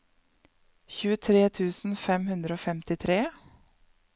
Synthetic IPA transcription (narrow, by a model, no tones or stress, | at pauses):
çʉːət̪ʰɾeːt̪ʰʉːsn̩fɛmhʉnd̪ɾəoːfɛmt̪ɪt̪ʰɾeː